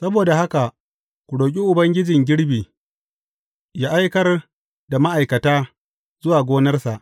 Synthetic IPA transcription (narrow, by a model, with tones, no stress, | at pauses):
sɐ˦boː˨da˨ha˦ka˨ | kʷu˨ɽoː˨k̬ʲʼi˦ʔʊ˨bɐ˦ŋɡʲɪ˦d͡ʒɪ˨ŋɡʲɪ˦ɽbiː˨ | jaː˦ʔa˦jkɐ˦r | da˨ma˦ʔa˨jkɐ˨taː˦ | zʊ˦waː˨ɡʷoː˦nɐ˦rsa˨ʔ